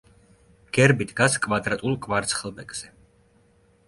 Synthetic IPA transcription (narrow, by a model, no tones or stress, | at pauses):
ɡ̥ɛɾbid̪ɡaskʼvad̪ɾat̪ʼulˠkʼvaɾt̪sʰχɛlˠbɛkʼz̥ɛ